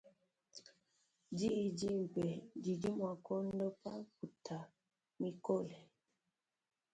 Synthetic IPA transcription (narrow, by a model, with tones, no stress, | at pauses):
d͡ʒi˦i˨d͡ʒi˦m̩˨pɛ˨d͡ʒi˨d͡ʒi˦mwa˨kɔ˦n˦dɔ˦pa˦ku˨tʰa˨ | mi˨kɔ˦lɛ˨